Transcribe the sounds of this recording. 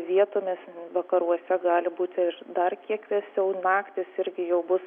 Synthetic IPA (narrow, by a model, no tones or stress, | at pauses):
ʋʲiɛt̪oːmʲɪsʋɐkɐɾuɔsʲɛɡɑːlʲɪbuːt̪ʲɪɪrd̪ɐrkʲiɛkʋʲiɛsʲɛʊnɑːkt̪ʲɪsɪɾʲɡʲɪjɛʊbʊs